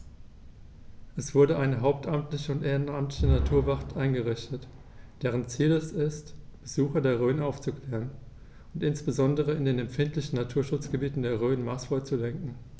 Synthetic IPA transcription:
ʔɛsv̥ʊɐdəʔaɪnəɦaʊp̚tʰʔamtlɪçəʊntʔeːʁənamtlɪçənatʰuːɐvaχtʰʔaɪnɡəʁɪçtət | d̥eːʁ̞ənt͡siːlɛsɪstb̥əzuːxɐdeːɐʁ̞øːnʔaʊft͡sukl̥ɛːʁən | ʊntʔɪnsb̥əzɔndəʁ̞əɪndeːnɛmfɪntlɪçn̩natʰuːɐʃʊt͡sɡ̥əbiːtn̩deːɐʁ̞øːnmaːsfɔt͡sulɛŋkŋ̩

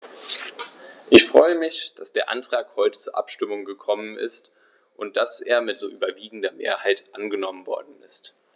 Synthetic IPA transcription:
ʔɪçfʁ̥ɔ̰ʏəmɪçd̥asd̥eːɐʔa̰ntʁ̥aːkhɔʏtə̥t͡suːɐʔa̰pʃtɪmʊŋɡəkʰɔmənɪ̰st | ʔʊnt̚d̥asʔḛːɐmɪtz̥o̰ːʔyːbɐviːɡŋ̩dɐmḛːɐhaɪtʔanɡənɔmənvɔ̰ɐdn̩ɪst

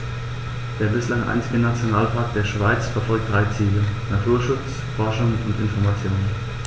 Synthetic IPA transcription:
d̥eːɐbɪslaŋʔa̰ɪnt͡sɪɡənat͡sjonaːlpʰaɐk̚d̥eːɐʃv̥aɪt͡sfɛɐfɔlk̚t̚d̥ʁaɪt͡siːlənatʰuːɐʃʊt͡s | fɔɐʃʊŋʊntɪnfɔɐmat͡sjoːnən

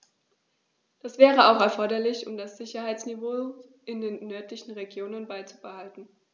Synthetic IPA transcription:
d̥asv̥ɛːʁəaʊxɛɐfɔɐdɐlɪçʊ̰mdasz̥ɪçɐhaɪt͡snivoː | ʔɪndeːnːœɐtlɪçn̩ʁeɡjoːnənbaɪt͡su̥b̥əhaltn̩

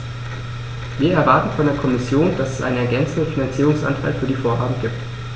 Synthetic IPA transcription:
viːɐɛɐvaɐtn̩fɔndeːɐkʰɔmɪsjoːnd̥asɛ̥sʔa̰ɪnənɛɐɡɛnt͡sn̩dənfinant͡siːʁʊŋsʔa̰ntʰa̰lfyːɐdiːfoːɐɦaːbm̩ɡiːp̚t

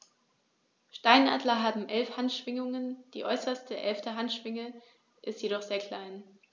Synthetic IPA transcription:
ʃtaɪnʔa̰ːdlɐɦaːbm̩ʔɛlfhantʃv̥ɪŋʊŋənd̥ḭːʔɔʏsɐstəʔɛlftəɦantʃv̥ɪŋə | ʔɪstjeɾɔχz̥eːɐkʰl̥aɪn

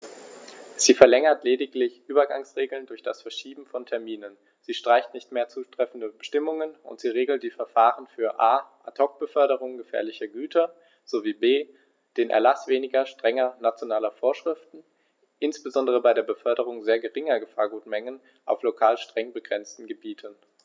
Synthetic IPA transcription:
z̥iːfɛɐlɛŋɐtleːdɪklɪçʔyːbɐɡaŋsʁeːɡl̩ndʊɐçd̥asfɛɐʃiːbm̩fɔntʰɛɐmiːnən | z̥iːʃtʁ̥aɪçtnɪçtmeːɐt͡suːtʁ̥ɛfn̩dəbəʃtɪmʊŋənʊ̰ntz̥iːʁeːɡl̩t̚d̥iːfɛɐfaːʁənfyːɐʔaːʔatʰɔk̚b̥əfœɐɾəʁ̞ʊŋɡəfɛ̰ːɐlɪçɐɡyːtʰɐ | z̥oviːbeː | d̥eːnʔɛ̰ɐlasv̥eːnɪɡɐʃtʁ̥ɛŋɐnat͡sjonaːlɐfoːɐʃʁ̥ɪftn̩ | ʔɪnsb̥əzɔndəʁ̞əbaɪɾeːɐbəfœɐɾəʁ̞ʊŋzeːɐɡəʁɪŋɐɡəfaːɐɡuːtmɛŋən | ʔa̰ʊflokʰaːlʃtʁ̥ɛŋbəɡʁɛnt͡stn̩ɡəbiːtʰən

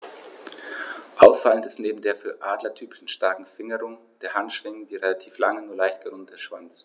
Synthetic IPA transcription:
ʔaʊfːaləntɪ̥stneːbm̩deːɐfyːɐʔaːdlɐtʰyːpɪ̥ʃn̩ʃtaɐkŋ̩fɪŋəʁʊŋ | d̥eːɐhantʃv̥ɪŋəndiːʁelatʰiːflaŋənuːɐlaɪçtɡ̥əʁʊndətʰəʃv̥ant͡s

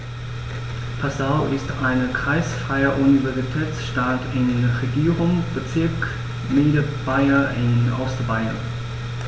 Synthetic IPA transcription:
pʰasaʊʔɪstʰaɪnəkʁ̥aɪsfʁ̥aɪɐʔunivɛɐzitʰɛːt͡sʃtaːtɪnʁeɡiːʁʊŋb̥ət͡sɪɐk | mɪːdəb̥aɪɐʔɪnʔɔ̰stbaɪɐ̰n

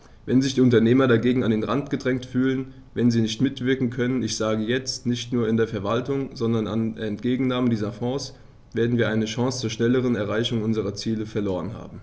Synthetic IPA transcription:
vɛnzɪçd̥iːʊntɐneːmɐdaɡeːɡŋ̩andeːnʁantɡ̥ədʁɛŋtfyːlən | vɛnziːnɪçtmɪtv̥ɪɐkŋ̩kʰœnənɪçz̥aːɡəjɛt͡stnɪçtnuːɐɪndeːɐfɛɐvaltʊŋz̥ɔndɐnanɛntɡ̥eːɡŋ̩naːməndiːzɐfɔːs | v̥eːɐdn̩viːɐʔaɪnəʃɑ̃ŋst͡suːɐʃnɛləʁ̞ənɛɐʁaɪçʊŋʔʊnzəʁ̞ɐt͡siːləfɛɐloːʁənɦa̰ːbm̩

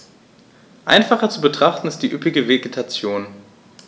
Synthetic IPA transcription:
ʔa̰ɪnfaχɐt͡subətʁ̥aχtn̩ɪst̚d̥iːʔʏpɪɡəveɡetʰat͡sjoːn

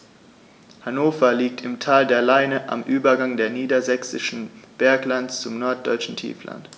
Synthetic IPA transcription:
hanoːfɐliːk̚tʰɪmtʰaːldeːɐlaɪnəʔa̰mʔyːbɐɡaŋdeːɐniːdɐzɛksɪʃn̩b̥ɛɐklantt͡sʊmnɔɐt̚d̥ɔʏt͡ʃn̩tʰḭːfla̰nt

